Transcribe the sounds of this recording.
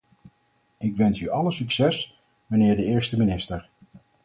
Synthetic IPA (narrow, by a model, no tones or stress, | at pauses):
ɪkʋɛnsyʔɑləsyksɛs | mənɪːɹdəɪːɹstəminɪstəɹ